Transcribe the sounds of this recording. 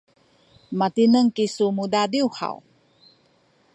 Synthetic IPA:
mat̪inəŋkisumudadiuha̰w

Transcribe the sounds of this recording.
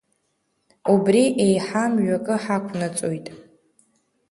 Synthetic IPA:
ubriʔejħamɥᶣakʼɨħakʷʰnat͡sʼojtʼ

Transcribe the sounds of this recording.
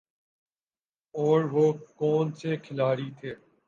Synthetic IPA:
ɔːɾʋoːkɔːnsekʰɪlaːɾiːt̪ʰeː

